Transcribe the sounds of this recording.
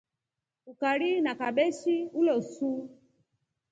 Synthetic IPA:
ukaɾinakaɓɛʃiulɔsu

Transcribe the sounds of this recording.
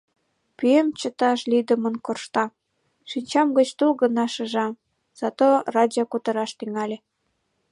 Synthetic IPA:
pyemt͡ɕət̪ɑʃlʲid̪ə̆mənkorʃt̪ɑ | ʃinʲt͡ɕɑmɡət͡ɕt̪ulɣə̆nɑʃə̆ʒɑm | z̥ɑt̪orɑd̪ʲiokut̪ə̆ɾɑʃt̪yŋɑlʲe

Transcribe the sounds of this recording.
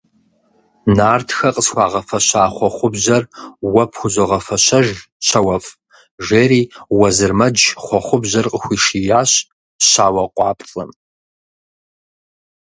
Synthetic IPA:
naːrtʰxɐqʼəsxʷɑːʁɐfɐɕaːχʷɔχʷʊbʑɐrwɐpʰxʷʊʑɐʁɐfɐɕɐʒ | ɕɐwɐf | ʒeːɾiːwɐzɨrmɐd͡ʒχʷɔχʷʊbʑɐrqʼəxʷiːʂijaːɕ | ɕaːwɐqʷʼɑːpɬʼɨ̰m

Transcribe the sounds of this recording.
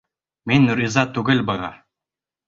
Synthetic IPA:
minʲːuɾʲizɑt̪ːuɡɘ̆lʲbɤ̆ʁɑ

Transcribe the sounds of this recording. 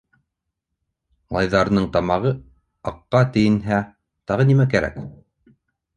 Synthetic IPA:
lˠɑjðɑɾɤ̆nɤɴt̪ɑmɑʁɤ | ɑqːɑt̪ɘ̆jɘ̆nɦæ | t̪ɑʁɤnimækæɾæ̰k

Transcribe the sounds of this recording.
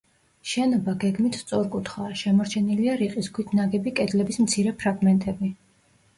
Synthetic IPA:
ʃɛnɔbaɡɛɡmit̪ʰst̪sʼɔɾkʼut̪ʰχaːʃɛmɔɾt͡ʃʰɛniliaɾiqʼiskʰwit̪ʰnaɡɛbikʼɛd̪lɛbismt̪sʰiɾɛpʰɾaɡmɛnt̪ʼɛbi

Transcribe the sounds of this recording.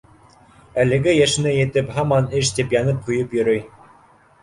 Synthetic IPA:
ælɘ̆ɡɘjæʃɘ̆nɘjɘ̆t̪ɘphɑmɑnɘʃ̬t̪ipjɑnɤp̚qŏjɤpjɵ̆ɾɵj

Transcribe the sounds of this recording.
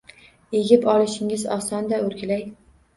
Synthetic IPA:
eɡʲɪpɒlˠɪʃɪŋɪzɒsɒnd̪aɵɾɡʲɪlaj

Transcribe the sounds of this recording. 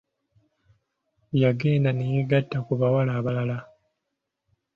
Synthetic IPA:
jaɡe̞ːndanejiɡatːakuβawalaːβalala

